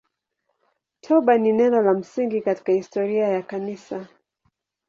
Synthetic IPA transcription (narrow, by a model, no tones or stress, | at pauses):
tʰɔɓaninɛnɔlam̩siŋɡikati̥kahistɔɾiajakanisa